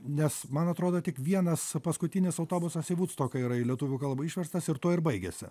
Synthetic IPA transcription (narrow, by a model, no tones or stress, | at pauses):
nʲɛsmɐnɐt̪ɾoːd̪oːt̪ʲɪkʋʲiɛnɐspɐskʊt̪ʲɪnʲɪsɐʊt̪oːbʊsɐsiʋuːt̪st̪oːkɐiɾɐɪlʲiɛt̪uʋʲʊːkɐlˠbɐiʃʲʋʲɛrst̪ɐsɪɾt̪uːɪɾbɐɪɡʲesʲɪ̰